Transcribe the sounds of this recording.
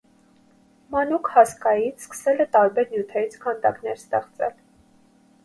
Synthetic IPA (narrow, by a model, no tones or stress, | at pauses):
mɑnukhɑskɑjit͡sʰskə̥sɛlɛt̪ɑɾbɛɾnjut̪ʰɛɾit͡sʰkʰɑnd̪ɑ̰knɛɾst̪ɛχt͡sɛ̰l